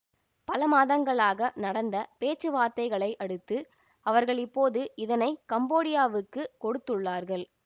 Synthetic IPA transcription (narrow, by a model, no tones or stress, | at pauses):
pɐlɐmaːðɐŋɡɐɭaːɣɐnɐɽɐnd̪ɐpeːt͡ʃːɯʋaːɾt̪ɐɪɣɐɭɐɪʔɐɽɯt̪ːɯ | ɐʋɐɾɣɐɭɪpːoːðɯɪðɐnɐɪkɐmboːɽɪjaːʋɯkːɯkɔɽɯt̪ːɯɭːaːɾɣɐɭ